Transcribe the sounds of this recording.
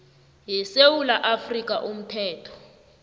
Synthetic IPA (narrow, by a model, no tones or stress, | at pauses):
jɛsewulaʔafrik̬ʼaʔum̩tʰɛːtʰɔ̥